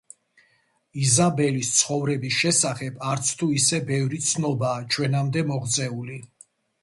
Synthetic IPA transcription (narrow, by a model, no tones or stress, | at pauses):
izabɛlist̪sʰχɔvɾɛbisʃɛsaχɛbʰaɾt̪sʰt̪ʰuisɛbɛvɾit̪sʰnɔbaːt͡ʃʰwɛnamd̪ɛmɔʁt̪sʼɛuli